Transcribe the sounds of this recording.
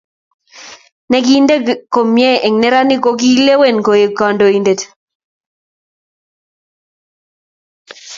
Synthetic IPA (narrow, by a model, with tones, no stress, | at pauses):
nɛ˨˦ki˦nde˦ko˨mjɛ˦ʔe˨ŋnɛ˦ɾa˦nɪ˦ko˦ki˦le˦we˦˨nko˨e˨ka˨ndo˨i˨nde˨t